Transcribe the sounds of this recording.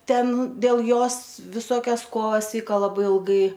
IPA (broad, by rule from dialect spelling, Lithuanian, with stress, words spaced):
ˈtʲɛn dʲeːlˠ ˈjoːs ʋʲɪˈsoːkʲɛs ˈkoːʋɐs ˈʋʲiːkɐ lˠɐˈbɐɪ ɪlˠˈɡɐɪ